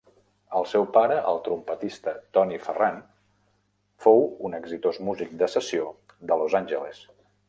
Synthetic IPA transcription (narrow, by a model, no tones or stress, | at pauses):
əlˠsɛwpaɾəʔə̰lˠt̪ɾumpət̪ist̪ət̪ɔnifəran | fowunəɡzit̪ozmuzik̚d̪əsəsio | d̪əlozanʲʒəles